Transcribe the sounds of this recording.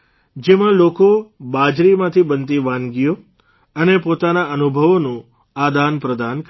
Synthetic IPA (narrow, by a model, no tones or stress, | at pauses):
d͡ʒemãlokobad͡ʒɾimãt̪ʰibənt̪iʋãnɡijo | ənepot̪anaənubʱəʋonũ | ad̪anpɾəd̪ank